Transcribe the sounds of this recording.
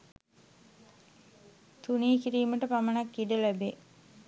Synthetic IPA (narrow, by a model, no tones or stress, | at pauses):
t̪uniːkiɾiːməʈəpamənakːiɖəlæbe